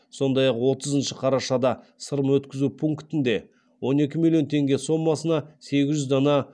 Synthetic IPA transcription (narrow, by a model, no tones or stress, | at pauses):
so̞nd̪ɑjɑqwo̞t̪ʰəzənʃɪqʰɑɾɑʃɑd̪ɑ | səɾəmwɵt̪kʲɪzupʰuŋkt̪ɪnd̪e̞ | wo̞ne̞kʲɪmilʲˠijo̞nt̪ʰe̞ŋɡʲe̞so̞mːɑsənɑse̞ɡʲɪzʒʏzd̪ɑnɑ